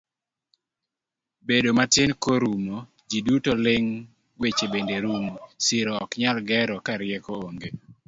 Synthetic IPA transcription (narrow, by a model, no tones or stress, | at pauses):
bedomatɪnkoɾumo | d͡ʒidutolɪŋ | wet͡ʃebendeɾumsiɾɔɔkɲalɡɛɾɔkaɾɪjɛkooŋɡe